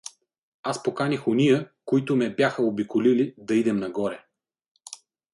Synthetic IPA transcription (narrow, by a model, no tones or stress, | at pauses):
aspokanixonijəkoit̪ʊmɛbjaxəobikolilid̪ɐid̪ɛmnɐɡɔɾɛ